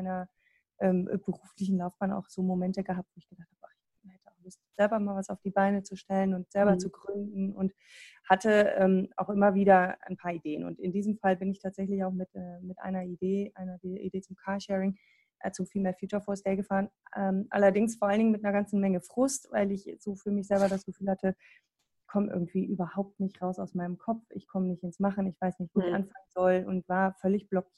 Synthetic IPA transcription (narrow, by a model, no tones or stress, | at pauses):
aɪnɐ | ʔɛːmbəʁuːflɪçn̩laʊfb̥aːna̰ʊxz̥oːmomɛntəɡəɦap̚tv̥oːɪçɡ̥əd̥aχt̚haːbəaχɪç | hɛtəaʊxlʊstz̥ɛlbɐmaːlvasaʊfd̥iːbaɪnət͡suʃtɛlənʊntz̥ɛlbɐt͡suɡʁʏndn̩ʊnt | hatəɛːma̰ʊxʔɪmɐviːdɐa̰ɪnpʰaːɐideːənʊ̰ntɪndiːzəmfalbɪnɪçtʰaːtz̥ɛçlɪçaʊxmɪtɛːmɪtʔa̰ɪnɐideːʔaɪnɐdiʔḭdeːt͡sʊmkʰaːɐʃɛːʁɪŋ | ʔɛt͡sufiːlmeːɐfjiːt͡ʃɐfoːɐsd̥ɛːɐɡəfaːʁənɛːmʔa̰lɐdɪŋsfoɐʔalnɪŋmɪt̚nɐɡant͡sn̩mɛŋəfʁ̥ʊstvaɪlɪçz̥oːfyːɐmɪçz̥ɛlbɐɾasɡ̥əfyːlhatʰə | ɪçkʰɔməʔɪ̰ɐɡŋ̩tv̥iːʔyːbɐhaʊp̚tnɪçtʁaʊsaʊsmaɪnəmkʰɔp͡fɪ̰çkʰɔmənɪçtɪnsmaχn̩ɪçv̥aɪsnɪçtv̥iɪsʔa̰nfaŋənzɔlʊ̰ntv̥aːɐfœlɪçb̥lɔki